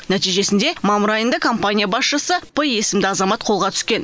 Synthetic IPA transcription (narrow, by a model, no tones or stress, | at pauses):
næt̪ijʒe̞sɪnd̪e̞mɑmʊɾɑjənd̪əkʰo̞mpanʲijabɑsʃəsəpəe̞sɪmd̪ɪɑzɑmɑt̪qʰo̞lˠʁɑt̪ʰʏ̥skʲe̞n